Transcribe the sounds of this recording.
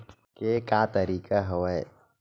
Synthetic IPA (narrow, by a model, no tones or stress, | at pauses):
kekaːt̪ɐɾiːkaɦɐwɛ